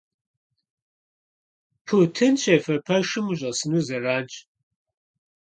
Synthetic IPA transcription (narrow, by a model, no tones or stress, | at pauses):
pʰutʰɨnɕʰʼefɐpʰɐʃɨmuɕʼɐsɨnuːzɐraːnt͡ʃʼ